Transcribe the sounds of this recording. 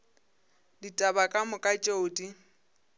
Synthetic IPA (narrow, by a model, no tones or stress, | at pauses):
ditʼabakʼamʊkʼat͡ʃʼoʊtʼi